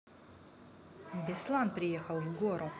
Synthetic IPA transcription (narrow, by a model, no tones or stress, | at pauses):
bɛslˠanpɾijɛxawvɡoɾu